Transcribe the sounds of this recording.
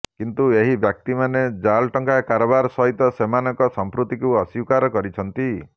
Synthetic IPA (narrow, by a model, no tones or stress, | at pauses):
kint̪ueɦibjak̚t̪imaned͡ʒalʈɔŋkakaɾɔbaɾɔsɔɦit̪ɔsemanɔŋkɔsɔmpɾut̪ikuɔsiwkaɾɔkɔɾit͡ʃʰɔnt̪i